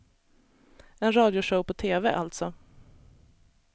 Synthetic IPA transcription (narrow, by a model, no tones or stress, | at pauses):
ɛnɾɑːd̪jʊʂəʊpʰɔt̪ʰeːvɛʔa̰lt̪sɔ